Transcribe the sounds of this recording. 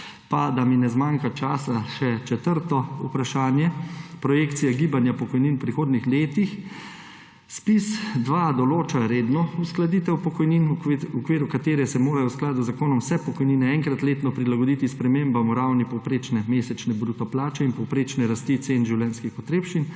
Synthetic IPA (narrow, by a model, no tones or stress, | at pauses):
pad̪aminɛzmaːŋkat͡ʃaːsaʃɛt͡ʃɛt̪əɾt̪ɔupɾaʃaːnjɛpɾɔjeːkt̪sijaɡiːbanjapɔkɔjninwpɾixoːd̪nixleːt̪ix | spisd̪ʋad̪ɔloːt͡ʃaɾeːd̪nɔusklad̪iːt̪ɛwpɔkɔjninukʋeːɾukat̪eːɾɛsɛmoːɾajɔwsklaːd̪uzakoːnɔmwsɛpɔkɔjniːnɛɛŋkɾat̪leːt̪nɔpɾilaɡɔd̪it̪ispɾɛmeːmbamɔɾawnipɔwpɾet͡ʃnɛmesɛt͡ʃnɛbɾuːt̪ɔplaːt͡ʃɛinpɔwpɾeːt͡ʃnɛɾast̪it̪seinʒiwlʲjɛnskixɔt̪ɾeːpʃin